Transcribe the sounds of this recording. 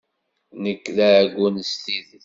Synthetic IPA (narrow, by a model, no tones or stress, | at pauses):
nəkːlæɡʷːunst̪ið